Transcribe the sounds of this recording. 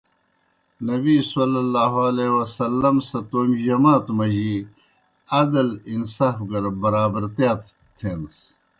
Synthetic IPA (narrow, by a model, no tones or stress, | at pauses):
nɐbisɐlɐlːaːɦoɐlewɐsɐlːɐmsɐt̪oːmʑɐmaːt̪mɐʑi | ɐd̪ɐlinsaːfɡɐɾbɐɾaːbɐɾt̪jaːt̪ | t̪ʰeːns